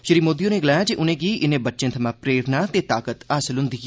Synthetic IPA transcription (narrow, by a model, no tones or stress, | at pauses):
ʃəɾiːmoːd̪ijõːnẽːɡəlaːjaːd͡ʒiʔʊnẽːɡiːʔɪnẽːbətːʃẽːt̪ʰəmãːpɾeːɾnaːt̪eːt̪aːkət̪aːsəlɦʊ̃nd̪iː